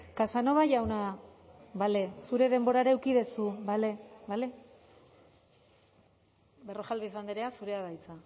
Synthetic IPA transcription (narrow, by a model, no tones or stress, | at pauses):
kasano̞βaʝawna | βale̞suɾe̞ðe̞mbo̞ɾaɾaewkiðesuβaleβale̞ | be̞ro̞ʝalβisand̪eɾe̞asuɾe̞aðajt͡sa